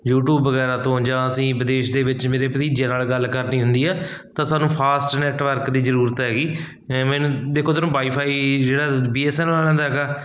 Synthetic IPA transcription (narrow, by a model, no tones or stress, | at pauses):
juːʈuːbːəɡɛːɾaːt̪õːd͡ʒãːəsĩːbɪd̪eːʃd̪eːʋɪt͡ʃmeːɾeːpət̪iːd͡ʒãːnaːlɡəlːkəɾnĩːɦʊ̃nd̪iːɛː | t̪ãːsaːnũːpʰaːsʈnɛːʈʋəɾkd̪iːzəɾuːɾət̪ɦɛːɡiː | mɛ̃ːnũːd̪eːkʰoːt̪aːnũːbaːiːpʰaːiːd͡ʒeːɽaːbiːɛːsɛːnnaːlɛ̃ːnd̪aɦɛɡaː